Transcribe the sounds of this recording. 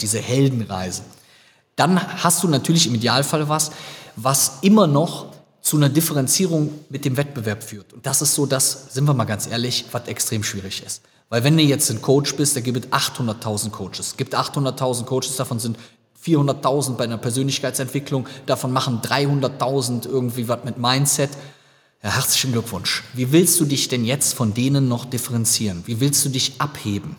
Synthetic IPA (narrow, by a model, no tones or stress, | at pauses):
d̥iːzəhɛldn̩ʁa̰ɪzə | d̥anhast̚d̥uːnatʰyːɐlɪçɪmidjaːlfaləvasvasʔɪmɐnɔχ | t͡sunɐdɪfəʁɛnt͡siːʁ̞ʊŋmɪt̚d̥eːmvɛt̚b̥əvɛɐpfyːɐtʊnt̚d̥asɪstz̥oːdasz̥ɪntviːɐmaːlɡant͡sʔḛːɐlɪçv̥atɛkstʁ̥eːmʃv̥iːʁɪçɪst | vaɪlvɛnduːjɛt͡stn̩kʰoʊt͡ʃb̥ɪstd̥aɡiːbətʔaχthʊndɐtʰaʊzn̩t̚kʰoʊt͡ʃəsɡ̥iːp̚tʔaχthʊndɐtʰːaʊzn̩t̚kʰoʊt͡ʃə̥sd̥afɔnzɪnt | fiːɐhʊndɐtʰaʊzn̩t̚baɪʔaɪnɐpɛɐzøːnlɪçkaɪt͡sɛntv̥ɪklʊŋd̥afɔnmaχn̩dʁaɪhʊndɐtʰaʊzn̩tʔɪɐɡŋ̩tv̥iːvatmɪtmaɪnt͡sɛt | jahɛɐt͡slɪçn̩ɡlʏkv̥ʊnʃviːvɪlstd̥uːdɪçd̥ɛnjɛt͡stfɔndeːnənːɔχd̥ɪfɛʁɛnt͡siːʁənviːvɪlstd̥uːdɪçʔapheːbm̩